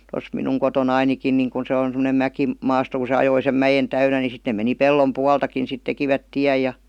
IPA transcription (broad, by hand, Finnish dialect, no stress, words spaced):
tos minuŋ kotonɑinikin niŋ ku se on semonem mæki mɑːsto ku se ɑjoi sem mæjen tæynæ ni sit ne meni pelːom puɑltɑkin sit tekiʋæt tiæj jɑ